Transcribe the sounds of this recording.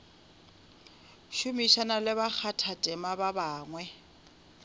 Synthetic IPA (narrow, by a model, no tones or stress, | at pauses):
ʃumiʃanalɪβak͡xʰatʰatʼɛmababaːŋwɛ